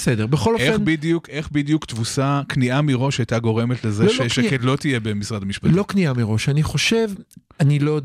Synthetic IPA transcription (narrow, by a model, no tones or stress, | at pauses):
besedeʁbeχo̞loenbid̪jukʔe̞χbid̪ijukt̪vusakniʔamiʁo̞ʃajt̪aɡo̞ʁe̞met̪lezeoʃʃekedlo̞t̪ijebemisʁadamiʃpatllo̞kniamiʁo̞ʃaniχo̞ʃe̞v | anilo